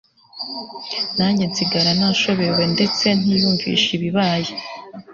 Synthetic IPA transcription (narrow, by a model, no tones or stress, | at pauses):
naɲenziɡaɾanaʃo̞βewe̞nde̞t͡se̞n̥ijuːɱvḭʃiβiβaːje